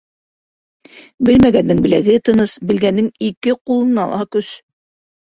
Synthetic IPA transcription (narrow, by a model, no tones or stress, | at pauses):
bɘlmæɡænːɘŋbɘ̆læɡɘt̪ɤ̆nɤsbɘ̆lɡænːɘŋikɘqulˠɤ̆nɑ̰lˠɑ̰kɵs